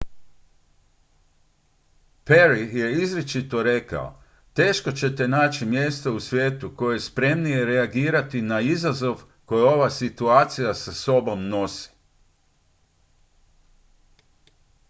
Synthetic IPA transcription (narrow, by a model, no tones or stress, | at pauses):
peɾije̞izɾet͡ʃit̪o̞ɾe̞ka̰o̰ | t̪e̞ːʃko̞t͡ɕe̞t̪e̞naːt͡ɕimje̞ːst̪o̞usʋʲjeːt̪uko̞jeespɾe̞mnije̞ɾe̞aɡiːɾat̪inaizazo̞ʋ | ko̞jo̞ʋasit̪uaːt̪sijasaso̞bo̞mno̞si̥